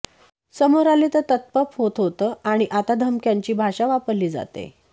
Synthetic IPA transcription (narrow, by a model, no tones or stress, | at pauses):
səmoɾalet̪ət̪ət̪̚pəpɦot̪ɦot̪əːaɽ̃iʔat̪ad̪ʱəmkjaɲt͡ɕiːbʱaɕaʋapəɾliːd͡za̰t̪ḛ